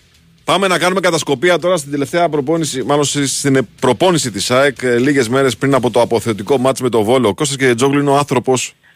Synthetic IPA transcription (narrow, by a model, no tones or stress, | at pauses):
pɐme̞nɐkɐnume̞kɐt̪ɐsko̞piɐt̪o̞ɾɐst̪ind̪e̞le̞ft̪e̞ɐpɾo̞po̞nisimɐlo̞nst̪inepɾo̞po̞nisit̪isɐekliʝe̞zme̞ɾe̞spɾinɐpo̞t̪o̞ɐpoθe̞ot̪iko̞mɐt͡sme̞t̪o̞vo̞loko̞st̪ɐs̬ced͡zoɡlineɐnθɾo̞po̞s